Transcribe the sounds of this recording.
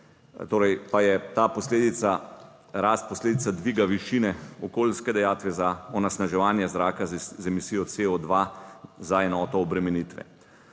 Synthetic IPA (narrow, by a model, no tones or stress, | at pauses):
t̪oːɾɛjpajɛt̪aːpɔsleːd̪it̪sa | ɾast̪̚pɔsleːd̪it̪sad̪ʋiɡaʋiʃiːnɛɔkoːlskɛd̪ɛjaːt̪ʋɛzaɔnasnaʒɛʋaːnjɛzɾaːkazzɛmisiːjɔseɔd̪ʋazaɛnɔːt̪ɔːbɾɛmɛniːt̪ʋɛ̰